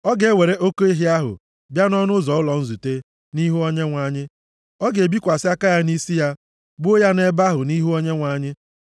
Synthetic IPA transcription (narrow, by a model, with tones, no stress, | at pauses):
ɔ˦ɡe˨e˦we˨ɾe˦ʔo˦ko˦e˦ɦi˦a˦ɦʊ̰˨ | bja˦nɔ˦nʊ˦zɔ˨ʊ˦lɔ˨n̩˦zu˨te˦ | ni˦ɦu˦o˦ɲe˦ŋʷa˨ɲɪ˦ | ɔ˦ɡe˨bi˦kʷa˨sɪ˦a˦ka˦ja˦ni˦si˦ja˦ | bʊ˦o˦ja˦ne˦ba˦ɦʊ˨ni˦ɦu˦o˦ɲe˦ŋʷa˨ɲɪ˦